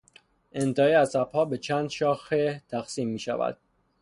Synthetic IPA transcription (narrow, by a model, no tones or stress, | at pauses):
ʔe̞nt̪ʰɛhiæsæb̥hɒːbe̞t͡ʃʰæːnd̪ʃɒːxet̪ʰæxsiːmːiːʃæ̰væ̰d̪̥̚